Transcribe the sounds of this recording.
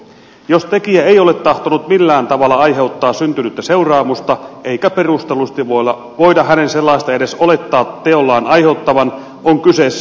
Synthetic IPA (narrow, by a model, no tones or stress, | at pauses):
jost̪ekiæejole̞t̪ːɑht̪onut̪milːæːnt̪ɑʋɑlːɑɑjɦe̞ut̪ːɑːssynt̪ynyt̪ːæse̞urɑːmust̪ɑeikæpe̞rust̪elust̪iʋoɑ | ʋoidɑhænenselːɑist̪ɑede̞sole̞t̪ːɑːt̪ːeolːɑːnʔɑjheut̪ːɑʋɑn | oŋkysesː